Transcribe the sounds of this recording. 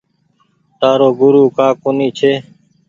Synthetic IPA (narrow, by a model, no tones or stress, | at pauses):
t̪aːɾoːɡʊɾuːkaːkoːniːt͡ʃʰeː